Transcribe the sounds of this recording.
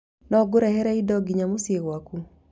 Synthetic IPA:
nɔɡʊɾɛhɛɾɛidɔɡiɲamosjewaku

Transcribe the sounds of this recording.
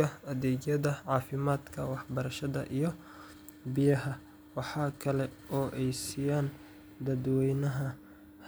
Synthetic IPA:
ɐɐðɛːd͡ʒjɐðɐʕɑːfɪmaːd̪kʰɐwɑħbɐɾɐʃɐðɐ̰ʔijɞ | bɪjɐɦɐ | wɑħɑːkʰɐlɛʔɔːʔɛjsijaːn | d̪ɐd̪wɛjnɐɦɐ | h

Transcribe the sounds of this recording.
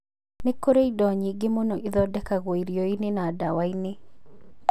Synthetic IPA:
nekoɾeidɔɲiɡɪmonoʔiðɔdɛkaɡwoiɾjoinɪnadawainɪ

